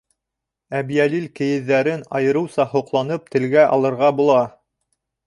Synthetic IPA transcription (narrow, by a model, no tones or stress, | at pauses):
æbjælilkɘ̆jɘ̆ðːæɾɘnɑ̰jɤ̆ɾɤ̆wsɑhŏqlˠɑnɤp̚t̪ɘ̆lɡæʔɑ̰lˠɤ̆ɾʁɑbulˠɑ